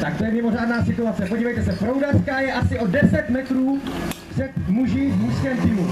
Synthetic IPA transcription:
t̪akt̪o̞jɛmɪmo̞raːdnaːsɪt̪uat͡sɛpo̞ɟiːvɛjt̪ɛsɛfɾowdḁskaːjɛʔasɪʔo̞dɛsɛt̪mɛt̪ɾuːpr̥ɛt̪muʒɪvmuskɛːmt̪iːmu

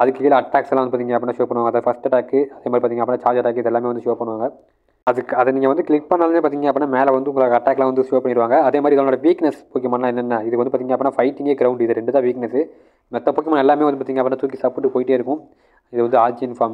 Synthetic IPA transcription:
ɐðɯkːɯkiːlɐɐʈːaːksɛlãːɐndɯpːaːt̪iŋɡɐɐpːinːaːʃoːpɐɳɯʋaːŋɡɐðɐfɐsʈɐʈːaːkːɯɐðeːmad̪ɾipːt̪iŋɐpːnːaːt͡ʃaːɾd͡ʒɐʈːaːk̬ːɯɪðɛlːaːmeːʋɐd̪ɯʃoːpɐɳːɯʋaːŋɡɐ | ɐðɯkːɯɐðɐniːŋɡɐʋɐnd̪ɯkɭɪk̚ːpɐɳːaːlmeːpaːɾt̪̬iːŋɡɐɐpːnːaːmeːlʋɐnd̪ɯʊŋɡɐɭoːkɐɐʈːaːkːlãːʋɐnd̪ɯʃoːpɐɳːɪɾɯʋaːŋɡɐɐðeːmaːðɾiɪðonːloːɽɐʋiːknɐspoːkɪɐmaːnɐlãːɛnːɛnːɐɪðɯkːʋɐnd̪ɯpaɾt̪iːŋɐpːnːaːfɐɪʈːɪŋɡeːɡɾɐʋʊɳɖɪðɐɾɛɳɖɯt̪ãːʋiːknɛsɯ | mɐt̪ːɐpoːkjɐmaːnɛlːaːmeːʋɐnɯpaɾt̪iːŋɡɐpːɳnːaːt̪uːɾkisɐpːʈːɯpoːjɪʈːeːɪɾɯkːʊ̃ | ɪðɯʋɐnd̪ɯaːt͡ʃiɪnfaːm

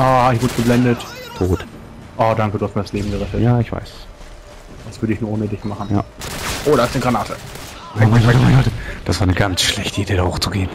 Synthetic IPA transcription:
ʔaːhaɪçv̥ʊɐdɡ̥əblɛndəttʰoːt | ʔɔːd̥aŋkəduːhastmiɐɾasleːbm̩ɡəʁɛtətjaːɪçv̥a̰ɪs | v̥asv̥ʏɐɾəɪçnuɐʔoːnədɪçmaχn̩ja̰ːʔoːɾɐatnəɡʁanaːtʰə̰ | aɡtəvanɡɔtəd̥asv̥aːɐnəɡant͡sʃlɛçtəideːdaho̰ːxt͡suɡeːn

